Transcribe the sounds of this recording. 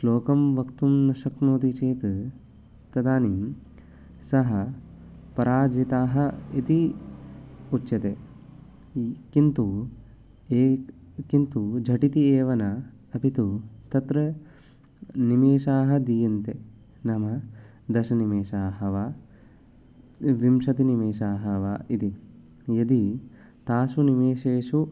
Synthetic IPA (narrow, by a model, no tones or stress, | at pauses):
sloːkɐmʋɐkt̪umnɐʃɐknoːt̪it͡ʃeːt̪ɨ | t̪ɐd̪aːnim | sɐɦɐ | pɐɾaːd͡ʒit̪aːɦɐ̆it̪i | utːʃɐt̪e | kint̪u | e | kint̪ud͡ʒʱɐʈit̪ieːʋɐnɐ | ɐpit̪ut̪ɐt̪ɾɐ | nimeːʃaːɦɐ̆d̪ijɐnt̪e | nɐmɐ | d̪ɐʃɐnimeːʃaːɦɐʋaː | ʋimʃɐt̪inimeːʃaːɦɐʋaːit̪i | jɐd̪i | t̪aːsunimeːʃeːʂu